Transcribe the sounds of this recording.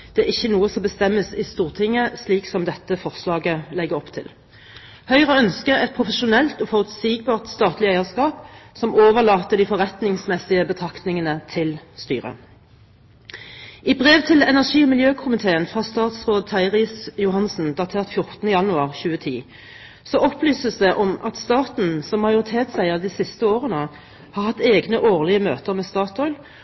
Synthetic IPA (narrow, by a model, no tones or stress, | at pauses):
d̪̥ɛæʁɪçːənuːəsɔmbəst̪ɛmːəsɪst̪uːʁt̪ʰɪŋːəsliːksɔmd̪ɛt̪ːəfɔʁslɑːɡəlɛɡəʁɔpt̪ʰɪ̰l | hœʏʁəœnskəʁɛt̪̚pʰʁʊfəʃʊnɛlt̪oːfɔʁʉt̪siːɡ̚bɑːʁt̪st̪ɑːt̪lɪæɪəskɑːpsɔmoːʋəʁlɑːt̪əd̪iːfɔʁɛt̪nɪŋsmɛsɪəbət̪ʰʁɑkt̪nɪŋənət̪ʰɪlst̪y̰ːʁə̰ | ɪbʁeːʋt̪ʰɪlɛnæʁʂiːɔmɪljøːkʰʊmɪt̪ʰeːənfʁhɑst̪ɑːt̪sʁoːd̪̚t̪ʰɑɪʁɪsjʊhɑnsn̩d̪ɑt̪ʰeːʁt̪fjʊʁt̪ənəjɑnʉɑʁçʉːət̪ʰiː | sɔʔɔpʰlyːsəsd̪ɛʔɔmɑt̪st̪ɑːt̪n̩sɔmːɑjʊʁɪt̪ʰeːt̪sæɪəʁd̪iːsɪst̪əoːʁənə | hɑːʁhɑt̪ːeːɡnəʔoːʁlɪəmøːt̪əʁmɛːst̪ɑːt̪ɔʏl